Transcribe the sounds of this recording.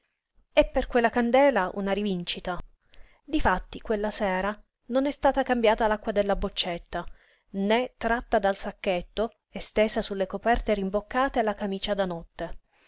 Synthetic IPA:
ɛpːerkwelːakand̪ɛːlaʔṵnaɾivint͡ʃit̪a | d̪ifat̪ːikwelːasɛːɾa | nonɛst̪aːt̪akambjaːt̪alakːwad̪elːabot͡ʃːet̪ːa | net̪ːɾat̪ːad̪alsakːet̪ːo | est̪eːzasulːekopɛrt̪eɾimbokːaːt̪ealakamiːt͡ʃad̪anɔt̪ːe

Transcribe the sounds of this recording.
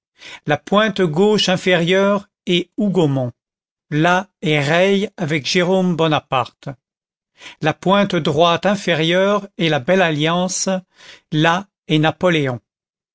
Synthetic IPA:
lapwɛ̃t̪ɡoʃɛ̃fɛʁjœʁ | ɛuɡomɔ̃ | laɛʁɛjavɛkʒ̥eʁombɔnapaʁt̪ | lapwɛ̃t̪d̪ʁwat̪ɛ̃fɛʁjœʁɛlabɛlaljɑ̃s | la | ɛnapɔleɔ̃

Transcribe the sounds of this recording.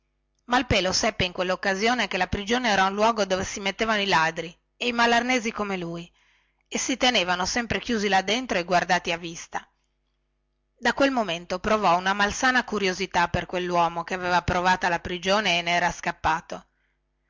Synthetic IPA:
mailpeːlosɛpːeiŋkwelːokːazjoːnek̟elapɾid͡ʒoːneɛːɾaunlwɔːɡod̪oːvesimet̪ːeːvanoilad̪ɾi | eimalarneːzikomeluːj | esit̪eneːvanosɛmpɾekjuːzilad̪ːent̪ɾoeɡward̪aːt̪iavːist̪a | d̪akwelmoment̪opɾovɔunamalsaːnakuɾjozit̪aperkwelːwɔːmokeaveːvapɾovaːt̪alapɾid͡ʒoːneːnɛːɾaskapːaːt̪o

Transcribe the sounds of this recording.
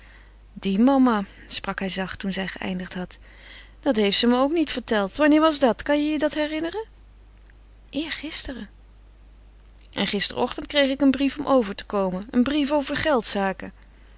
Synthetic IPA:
dimɑma | sprɑkɦɛjzɑχtunzɛjχəʔɛ̰jndəχtɦɑt | d̥ɑtɦejftsəməowknitfəɹtɛlˠtʋɑnɪːɹʋɑzdɑtkɑnjəjədɑtɦɛrɪnərə | ʔɪːɹχɪstərə | ʔɛnχɪstə̰rɔχtəntkrejχɪkənbrifɔmʔowvəɹtə̥kowmənənbrifowvəɹχɛlˠtsaːkə

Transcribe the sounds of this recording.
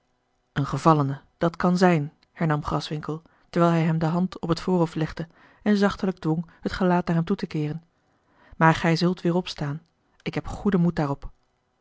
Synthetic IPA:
ənχəvɑlənə | d̥ɑtkɑnzɛjn | hɛɹnɑmχrɑsʋɪŋkəlˠ | təɹʋɛjlˠɦɛjɦɛmdəɦɑntɔpɦətfʊːrɦoflɛχdə | ɛnzɑχtələɡ̚dʋɔŋhətχəlaːtnaːɹɦɛmtutəkɪːrən | maːɹχɛjzɵlˠtʋɪːɹɔpstaːn | ɪkɦɛpχudəmut̚daːrɔp

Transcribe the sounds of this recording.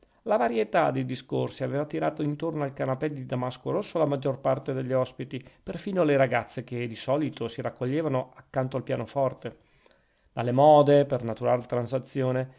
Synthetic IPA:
lavaɾjet̪ad̪ejd̪iskorsiaveːvat̪iɾaːt̪oint̪ornoalkanapɛd̪d̪id̪amaskoɾosːolamad͡ʒːorpart̪ed̪eʎːiɔspit̪iperfiːnoleɾaɡat̪sːeked̪isɔːlit̪ʰosiɾakːoʎːeːvanoakːant̪oalpja̰ːnofɔrt̪e | d̪̥alːemɔːd̪epernat̪uɾaːlt̪ɾansat̪sːjoːne

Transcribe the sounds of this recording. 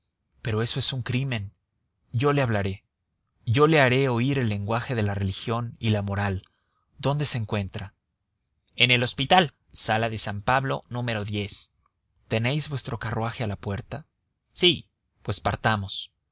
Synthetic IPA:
pe̞ɾo̞e̞so̞e̞suŋkɾimẽ̞n | ɟ͡ʝo̞le̞aβlaɾe̞ | ʝo̞le̞aɾe̞o̞iɾe̞lːe̞ŋɡwaxe̞ðe̞lare̞lixjo̞nilamo̞ɾal | d̪o̞nd̪e̞seːŋkwe̞nt̪ɾa | e̞ne̞lo̞spit̪al | salaðe̞sampaβlo̞̰nũme̞ɾo̞ðje̞s | t̪e̞ne̞jzβwest̪ɾo̞karwaxe̞alapwe̞ɾt̪a | si | pwe̞spaɾt̪amo̞s

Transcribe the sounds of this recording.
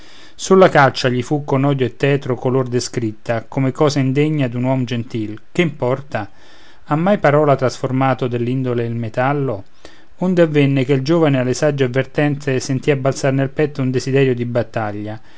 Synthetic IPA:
sulːakalt͡ʃaʎifukːonɔːd̪joet̪ːɛːt̪ɾokolord̪eskɾit̪ːakomekɔːzaind̪eɲːad̪unwɔmd͡ʒent̪ilkeimpɔrt̪a | amːajpaɾɔːlat̪ɾasformaːt̪od̪elːind̪oleilmet̪alːo | ond̪eavːɛnːɪkeld͡ʒoːvanealːesad͡ʒːeavːert̪ɛnt̪sesent̪iabːalt̪sarnelpɛt̪ːound̪ezid̪ɛːɾjod̪ibat̪ːaʎːa

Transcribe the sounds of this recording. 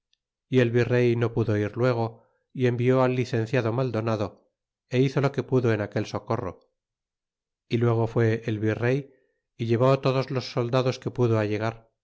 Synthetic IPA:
ie̞lβire̞jno̞puðo̞iɾlwe̞ɣ̞o̞ | ie̞mbio̞alːiθe̞nθjaðo̞mald̪o̞naðo̞ | e̞iθo̞lo̞ke̞puðo̞e̞nake̞lso̞ko̞ro̞̰ | ilwe̞ɣ̞o̞fwe̞ʔːlβire̞j | iʎe̞β̞ot̪o̞ðo̞zlo̞sːo̞ld̪aðo̞ske̞puðoaʎe̞ɣ̞aɾ

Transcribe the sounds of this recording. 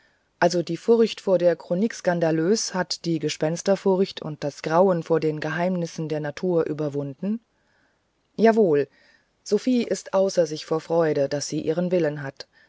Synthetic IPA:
ʔalzodiːfʊɐçtfoːɐdeːɐkʁ̥onikskandaløːshatd̥iːɡəʃpɛnstɐfʊɐçtʰʊ̰nt̚d̥asɡ̥ʁaʊənfoːɐdeːnɡəɦaɪmnɪsn̩deːɐnatʰuːɐʔyːbɐvʊndn̩ | jaːvoːl | z̥ofiːʔɪstʔaʊsɐzɪçfoːɐfʁ̥ɔʏɾəd̥asz̥iːʔiːʁ̞ənvɪlənɦat

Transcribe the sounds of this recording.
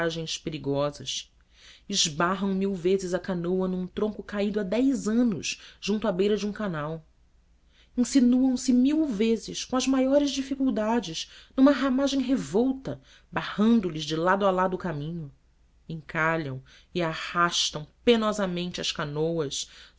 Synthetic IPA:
ʒẽj̃speɾiɡɔzɐs | ɪʒbaɦɐ̃w̃miwvezɪzɐkanowɐnũt̪ɾõŋkʊkaid̪ʊad̪ɛjzɐ̃nʊ̰ʃʒũnt̪ʊabejɾɐd͡ʒiũkanaw | ĩsinuɐ̃w̃sɪmiwvezɪʃkõɐzmajɔɾɪzd͡ʒifikuwd̪ad͡ʒɪʃnũmɐɦamaʒẽj̃ɦevɔwt̪ɐ | bahɐ̃nd̪ʊlɪzd͡ʒɪlad̪ʊalad̪ʊkamĩɲʊ | ẽŋkaʎɐ̃w̃ | ɪahaʃt̪ɐ̃w̃penɔzɐmẽnt͡ʃɪɐʃkanowɐs

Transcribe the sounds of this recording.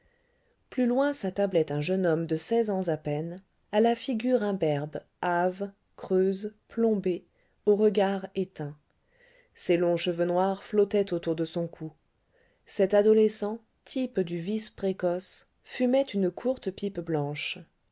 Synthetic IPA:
plylwɛ̃sat̪ablɛt̪ɛ̃ʒənɔmd̪əsɛzɑ̃zapɛn | alafiɡʲyʁɛ̃bɛʁb | av | kχøzplɔ̃be | oʁəɡaʁet̪ɛ̃ | selɔ̃ʃəvønwaʁflɔt̪ɛt̪ot̪uʁd̪əsɔ̃kʰu | sɛt̪ad̪ɔlesɑ̃ | t̪ʰipd̪yvispχekɔs | fymɛt̪ynəkʰuʁt̪pipblɑ̃ʃ

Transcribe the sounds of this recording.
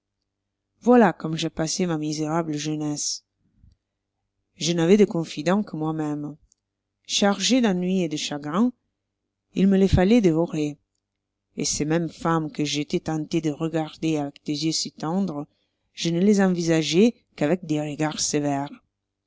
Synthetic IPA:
vwalakɔmʒɛpasemamizeʁabləʒənɛs | ʒənavɛd̪əkɔ̃fid̪ɑ̃kʰəmwamɛm | ʃaʁʒed̪ãnɥied̪əʃaɡʁɛ̃ | ilməlefalɛd̪evɔʁe | ḛsemɛmfamkəʒet̪ɛt̪ɑ̃t̪ed̪əʁəɡaʁd̪eavɛkd̪̥ezjøsit̪ɑ̃d̪ʁə | ʒ̥ənəlezɑ̃vizaʒe | kavɛk̚d̪eʁəɡaʁsevɛʁ

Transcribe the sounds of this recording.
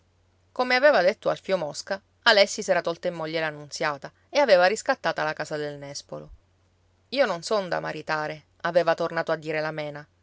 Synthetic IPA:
komeaveːvad̪et̪ːoalfiomɔska | alɛsːisɛːɾat̪ɔlt̪aimːɔʎːelanːunt̪sjaːt̪a | eaveːvaɾiskat̪ːaːt̪alakaːzad̪elnɛspolo | iːononsond̪a̰maɾit̪aːɾe | aveːvat̪ornaːt̪oad̪ːiːɾelamɛːna

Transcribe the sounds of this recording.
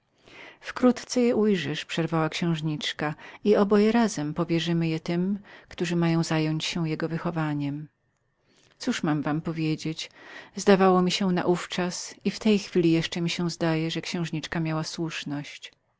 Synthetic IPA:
fkɾut̪t̪sɛjɛʔujʐɨʂpʂɛɾvawakɕɛ̃w̃ʐɲit͡ʂkaiɔbɔjɛɾazɛmpɔvʲjɛʐɘmɘjɛt̪ɘmkt̪uʐɘmajɔ̃w̃zajɔɲt͡ɕɕɛw̃jɛɡɔvɘxɔvaɲɛm | t̪suʂmamvampɔvʲjed͡ʑet͡ɕzd̪avawɔmʲiɕɛna̰ʔuft͡ʂasift̪ɛjxfʲilʲijɛʂt͡ʂɛmʲiɕɛ̃zd̪ajɛʐɛkɕɛ̃w̃ʐɲit͡ʂkamʲjawaswuʂnɔɕt͡ɕ

